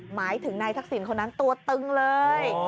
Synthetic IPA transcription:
maː˨˦jt̪ʰɨ˨˩˦ŋna˧jsa˦˥k̚si˧˩ənkoː˧nʔa˨˦nt̪u˧ət̪ɨ˧ŋləː˧j

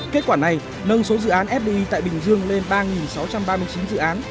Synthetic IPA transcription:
ke˦˥t̚kwaː˧˩na˨˩j | nə˧nso˨˦zɨ̰˧˨ʔaː˨˦nʔɛ˦˥p̚ɗi˧ʔi˧t̪a̰ː˧˨jɓï˨˩ŋ̟zɨ˧əŋle˧nɓaː˧ŋi˨˩nsa˨˦wt͡ɕa˧mɓaː˧mɨ˧əjt͡ɕi˨˦nzɨ̰˧˨ʔaː˨˦n

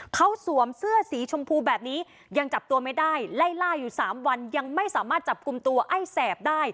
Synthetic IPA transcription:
kʰa˦˥wsu˨˩˦əmsɯ˥˩ɐsiː˩˦t͡ɕʰo˧mpʰuː˧bɛː˨˩p̚niː˦˥ | ja˧ŋt͡ɕa˨˩p̚t̪u˧ɐma˥˩jdaː˥˩jla˥˩jlaː˥˩jːuː˨˩saː˩˦mwa˧nja˧ŋma˥˩jsaː˩˦maː˥˩t̪̚t͡ɕa˨˩p̚ku˧mt̪u˧ɐʔa˥˩jsɛː˨˩p̚daː˥˩j

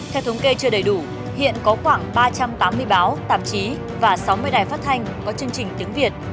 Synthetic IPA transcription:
t̪ʰɛ˧wt̪ʰə˨˦wŋ͡mke˧t͡ɕɨ˧əɗə˨˩jɗu˧˩ | hḭ˧˨ənkɔ˨˦xwaː˧˩ŋɓaː˧t͡ɕa˧mt̪aː˨˦mːɨ˧əjɓaː˨˦wt̪a̰ː˧˩˨mt͡ɕi˨˦ | vaː˨˩sa˨˦wmɨ˧əjɗaː˨˩jfaː˦˥t̚t̪ʰa˧jŋ̟kɔ˨˦t͡ɕɨ˧əŋt͡ɕï˨˩ŋ̟t̪ɨ˨˦əŋvi˨˩ət̚

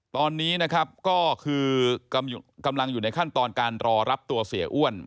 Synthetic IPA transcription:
t̪ɔː˧nːiː˦˥na˦˥kʰa˦˥p̚kɔː˥˩kʰɯː˧ka˧mu˨˩ka˧mla˧ŋjuː˨˩na˧jkʰa˥˩t̪ɔː˧nkaː˧nɾɔː˧ɾa˦˥p̚t̪u˧ɐsi˩˦ɐʔu˥˩ən

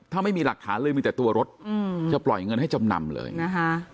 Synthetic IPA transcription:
t̪ʰaː˥˩ma˥˩jmiː˧la˨˩k̚t̪ʰaː˩˦nlɤː˧jmɯ˧t̪ːt̪u˧ɐɾo˦˥t̪̚ɯ˧˩t͡ɕa˨˩plɔ̰˨˩jŋɤ˧nhɦa˥˩jt͡ɕa˧mna̰˧mlɤ̰ː˧jna˦˥kʰa˦˥

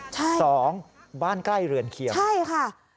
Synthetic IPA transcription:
t͡ɕʰa˥˩˥jsɔː˩˦ŋ | baː˥˩nkla˥˩jɾɯ˨˩ənkʰi˨˩t͡ɕwʰa˥˩jkʰa˥˩

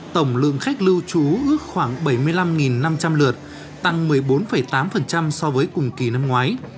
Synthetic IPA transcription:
t̪ə˧˩wŋ͡mlɨ̰˧˨əŋxa˦˥jk̟̚lɨ˧wt͡ɕu˨˦ʔɨ˦˥ək̚xwaː˧˩ŋɓə˧˩jmɨ˧əjla˧mŋi˨˩nːa˧mt͡ɕa˧mlɨ˨˩ət̚ | t̪a˧ŋmɨ˨˩əjɓo˨˦nfə˧˩jt̪aː˨˦mfə˨˩nt͡ɕa˧msɔ˧vəː˨˦jkʊ˨˩ŋ͡mki˨˩na˧mŋwaː˨˦j

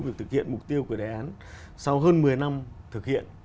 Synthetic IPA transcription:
vi˨˩t̪ʰɨ˨˩k̚hḭ˧˨ənmʊ˨˩k͡p̚t̪i˧əwku˧˩əɗaː˨˩jʔaː˨˦n | sa˧wɦəː˧nmɨ˨˩əjna˧mt̪ʰɨ˨˩k̚hḭ˧˨ən

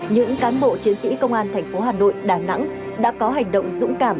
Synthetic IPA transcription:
ɲɨ̰˧˥ŋkaː˨˦nɓo̰˧˨t͡ɕi˨˦ənsḭ˧˥kə˧wŋ͡mʔaː˧nt̪ʰɛ˨˩ŋ̟fo˨˦ɦaː˨˩no̰˧˨jɗaː˧˩na̰˧˥ŋ | ɗa̰ː˧˥kɔ˨˦ɦa˨˩jŋ̟ɗə̰˧˨wŋ͡mzʊ̰˧˥ŋ͡mkaː˧˩m

